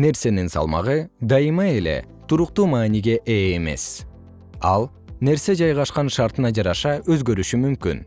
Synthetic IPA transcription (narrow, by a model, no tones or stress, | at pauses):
ne̞ɾse̞ninsɑ̰lˠmɑ̰ʁɯd̪ɑjɯmɑe̞le̞̰t̪uɾuqt̪uːmɑːniɡe̞ʔeːme̞̰s | ɑlˠ | ne̞ɾse̞d͡ʒɑjʁɑʃqɑnʃɑɾt̪ɯnɑd͡ʒɑɾɑʃɑʔøzɡø̞ɾyʃymymky̰n